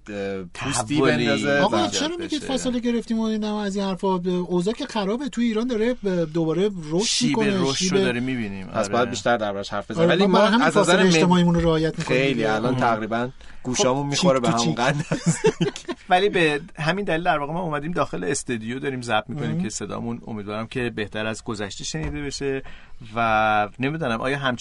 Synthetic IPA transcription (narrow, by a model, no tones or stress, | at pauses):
t̪ʰæusvioed̪ɒzeɒɣt͡ʃʰe̞ɾɒːmiid̪fæseleɟe̞ɾeft̪imoid̪æmæzinhæɾfɒozɒːcʰe̞xæɾɒːbet̪ʰujeiːɾɒːnd̪ɒɾe̞d̪obɒːɾe̞roʃʃmikʰo̞neʃiːoed̪ɒɾimːibinimpʰæsbɒjæd̪biːʃt̪æɾd̪æɾbɒɾæʃhæɾfb̥eznælimɦæmæzæzæɾeʃt̪e̞mɒimunoɾehɒːjæt̪ʰmikʰejliælɒːnt̪ʰæɣɾiːbæn | ɡ̥uːʃɒːmunmixoɾebehæmunɡænæzd̪ivæliːbeɦæmind̪ælild̪æɾvɒːɣemɒumæd̪iːmd̪ɒːxe̞leːst̪ɒd̪ijod̪ɒːɾiːmzæb̚mikʰo̞niːkʰe̞se̞d̪ɒ̰ːmuno̰miːd̪vɒːɾæmcʰe̞be̞ht̪ʰæɾæzɡo̞zæʃt̪iʃe̞niːd̪e̞beʃe̞væne̞mid̪ɔnæmʔɒ̰ːjɒːɦæmt͡ʃ